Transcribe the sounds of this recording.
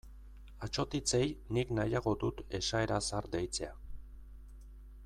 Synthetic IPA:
at͡ʃo̞t̪it͡se̞jniknajaɣo̞d̪ut̪e̞̰ʃae̞ɾasaɾd̪e̞jt͡se̞a

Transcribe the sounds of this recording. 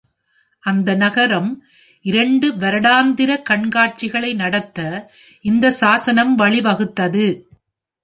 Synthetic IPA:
ʔɐnd̪ɐnɐɣɐɾɐm | ʔɪɾɐɳɖɯʋɐɾɐɽaːnd̪ɪɾɐkɐɳɡaːʈ̚t͡ʃɪɣɐɭɐɪnɐɽɐt̪ːɐ | ɪnd̪ɐsaːsɐnɐmʋɐɭɪʋɐɣɯt̪ːɐðɯ

